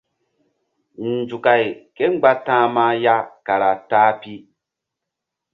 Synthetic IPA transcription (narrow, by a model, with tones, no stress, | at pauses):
n̩˨d͡ʒu˨ka˨jke˦ŋ͡mɡ͡ba˦tãː˦ma˦ja˦ka˨ɾa˨taː˦pi˦